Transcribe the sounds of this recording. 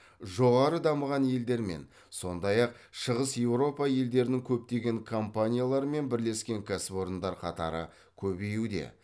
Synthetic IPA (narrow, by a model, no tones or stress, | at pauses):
ʒo̞ʁɑɾəd̪ɑməʁɑnje̞ld̪e̞ɾme̞̰n | so̞nd̪ɑjɑq̚ | ʃəʁəsje̞wɾo̞pɑje̞ld̪e̞ɾɪnɪŋkʲʰɵp̚t̪e̞ɡʲe̞ŋkʰo̞mpanʲijalˠɑɾəme̞nbɪɾle̞skʲe̞ŋkʲʰasɪpo̞ɾənd̪ɑɾqʰɑt̪ɑ̰ɾə̰ | kʲʰɵbe̞jud̪e̞̰